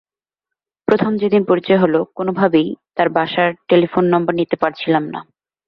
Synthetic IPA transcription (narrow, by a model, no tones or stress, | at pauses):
pɾot̪ʰomd͡ʑed̪inpoɾit͡ɕɔeɦolokonobʱabejt̪aɾbʱaʃaɾʈelifonːɔmbɐɾnit̪epaɾt͡ɕʰilamna̰